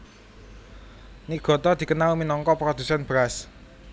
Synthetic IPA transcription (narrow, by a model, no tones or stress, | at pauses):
niʔɡ̥ɔ̤t̪ɔd̪̥i̤kənawuminɔŋkɔpɾɔd̪̥ṳsanbɾas